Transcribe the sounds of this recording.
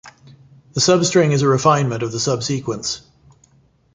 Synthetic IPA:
ðəsʌbstɹ̥ɪ̃ŋɪzəɹɪfãɪ̃nmə̃ntəvðəsʌb̥siˑkwə̃ns

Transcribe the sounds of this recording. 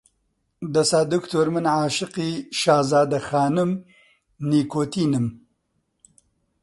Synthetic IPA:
d̪ɐsaːd̪ʊkt̪ʰoɾmɨnʕaːʃɪqiʃaːzaːd̪ɐxɑːnum | niːkoːt̪iːnɨm

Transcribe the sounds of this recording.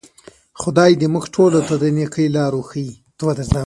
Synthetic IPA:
xʊd̪ɑjd̪əmʊxʈʰolot̪ad̪ənekəjlɑɾoxəji | t̪əwad̪əzɑ

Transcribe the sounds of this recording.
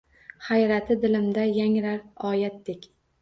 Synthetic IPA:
χajɾat̪ʰɪd̪ɪlɪmd̪ajaŋɾaɾɒjat̪̚d̪ekʲ

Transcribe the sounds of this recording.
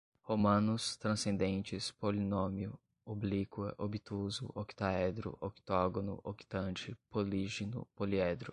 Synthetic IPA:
homɐ̃nʊst̪ɾɐ̃sẽnd̪ẽnt͡ʃɪspolinõmiʊ | oblikwɐ̰ʔobit̪uzʊ̰ʔoki̥t̪aɛd̪ɾʊ̰ʔoki̥t̪ɔɡonʊ̰ʔoki̥t̪ɐ̃nt͡ʃɪpoliʒinʊ̰poliɛd̪ɾʊ

